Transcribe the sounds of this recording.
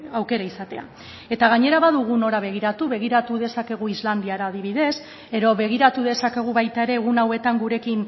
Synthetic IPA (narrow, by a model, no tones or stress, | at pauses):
awke̞ɾaisat̪e̞a̰ | e̞t̪aɣ̞aɲe̞ɾaβaðuɣ̞uno̞ɾaβ̞e̞ɣiɾat̪uβe̞ɣ̞iɾat̪uðe̞sake̞ɣ̞uizland̪iaɾaːðiβiðe̞s | e̞ɾo̞βe̞ɣ̞iɾat̪uðe̞sake̞ɣ̞uβajt̪ae̞ɾe̞ːɣ̞unawe̞t̪aŋɡuɾe̞kin